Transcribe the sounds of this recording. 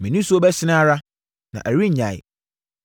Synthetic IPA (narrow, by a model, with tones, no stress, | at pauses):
mĩ˨nũ˦su˦o˦bɛ˦ɕɪ˦nã˦ɾa˦ | nã̰˨ʔæ˨ɾi˦˨ɲã˨j̰